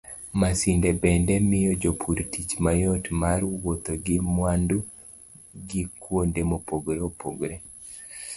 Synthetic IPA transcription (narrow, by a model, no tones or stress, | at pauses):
masindɛbɛndɛmɪjɔd͡ʒopʰuɾtit͡ʃmajɔtmaɾwot̪oɡɪmwandu | ɡikwondemopoɡɾeopoɡɾe